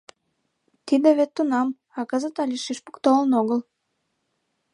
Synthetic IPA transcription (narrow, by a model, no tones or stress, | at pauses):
t̪id̪ĕβet̪ːunɑm | ɑkɤzət̪ɑlʲiʃiʃpu̥kt̪olənoɣəl